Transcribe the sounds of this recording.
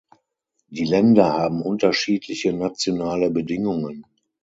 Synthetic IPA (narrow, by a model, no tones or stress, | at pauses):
d̥iːlɛndɐhaːbm̩ʔʊntɐʃiːtʰlɪçənat͡sjonaːləbədɪŋʊŋən